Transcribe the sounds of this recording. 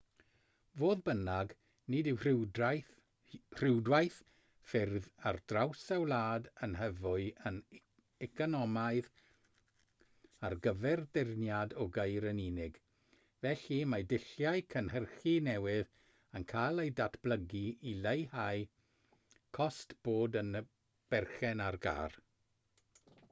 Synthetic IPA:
voːðbənaɡ | nɪdɪwr | r̥ɪwdwajθ | fɪrðard̥rawsawlaːdənɦəvʊɨən | ɛkʰɔnɔmaɨð | arɡəvɛrdɪrnjadɔɡejɾəniːnɪɡ | vɛɬimadɪɬjajkʰənhərχinɛwɪð | ənkʰalˠejdatʰb̥lˠəɡiilejhaj | kʰɔstb̥oːdən | b̥ɛrχɛnarɡa̰ːr

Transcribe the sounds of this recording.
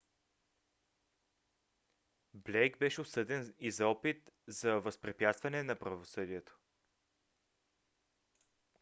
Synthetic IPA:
blʲɛjɡbɛʃɛosɤd̪ɛnizɔpit̪zɐvəspɾɛpʲjat̪st̪vɐnɛnɐpɾɐvosɤd̪iɛt̪o̥

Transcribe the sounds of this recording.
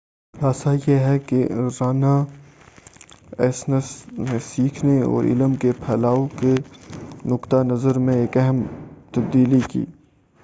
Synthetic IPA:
ɾaːsajeɦɛkeɾaːna | ɛ̰ːsnəsnesiːkʰneɔ̰ːɾʔɪ̰ləmkepʰɛːlaːoke | nʊkt̪anɐzəɾmẽeːkɛɦəmt̪ɐb̚d̪iːlikḭː

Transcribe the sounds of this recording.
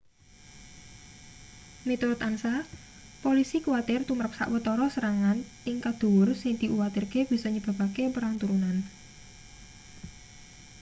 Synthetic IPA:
mit̪uɾʊt̪ansa | polisikuwat̪ɪrt̪umɾəp̚sa̰ʔwət̪ɔɾɔsəɾaŋanʔɪŋkad̪̥ṳʊrsɪŋd̪̥i̤ʔuwat̪ɪrɡ̥e̤b̥i̤sɔɲəb̥a̤bakepəɾaŋt̪uɾunan

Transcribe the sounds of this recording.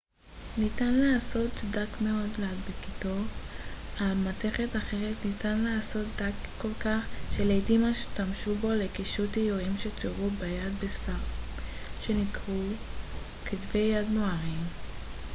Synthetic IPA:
nitanlaaːso̞tdakmeo̞dladbekito̞ | amate̞χetaχeʁetnitanlaːso̞t̚d̪akːo̞lkaχʃelejdimaʃe̥t̪amʃubo̞lekiʃutijoimʃet͡suʁubejadbesfaʁ | ʃenikʁu | kʰitve̞jːadnoaʁim

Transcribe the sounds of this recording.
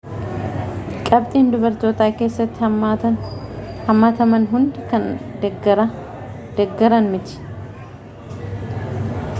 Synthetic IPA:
kʼɐb̚t̪ʼiːnd̪ʊbɐɾt̪o̞ːt̪aːke̞ːsːɐt̪ːɪɐnhɐmːaːt̪ɐmɐnɦʊnd̪ɪkɐn | d̪ɛɡːɐɾɐnmɪt͡ʃ̪ɪ̥

